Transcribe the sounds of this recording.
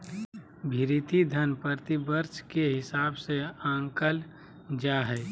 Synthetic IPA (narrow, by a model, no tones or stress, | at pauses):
bʱɪɾit̪id̪ʱənpəɾt̪ibəɾt͡ʃkeɦɪsaːbseãːŋkəl | d͡ʒaːɦɛː